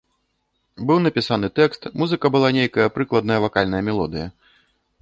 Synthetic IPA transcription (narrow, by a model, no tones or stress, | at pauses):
bɨwnɐpʲisanɨt̪ɛkst̪muzɨkɐbɨlˠanʲejkɐjɐpɾɨklˠɐd̪̚nɐjɐvakalʲnɐjɐmʲɛlˠɔd̪ɨjɐ